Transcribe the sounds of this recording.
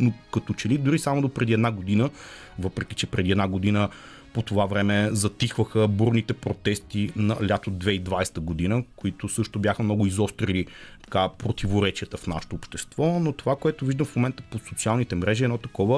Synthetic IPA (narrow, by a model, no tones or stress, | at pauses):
nokɐt̪ot͡ʃɛlid̪ʊɾisamod̪opɾɛd̪iɛd̪naɡod̪inə | vɤpɾɛk̟it͡ʃɛpɾɛd̪iɛd̪naɡod̪inə | pot̪ovavɾɛmɛzɐt̪ixvəxəbuɾnit̪ɛpɾot̪ɛst̪inɐlʲjat̪od̪d̪vɛid̪vajst̪əɡod̪inəkoit̪ʊsɤʃt̪obʲjaxəmnɔɡʊizɔst̪ɾilit̪ɐ̥kapɾot̪ivoɾɛt͡ʃiət̪əfna̰ʃɛ̥t̪oːpʃt̪ɛst̪vɔnot̪ovakoɛt̪ʊviʒd̪əmfmomɛnt̪ə̥posot̪sialˠnit̪ɛmɾɛʒiɛdnɔt̪ɐkɔvə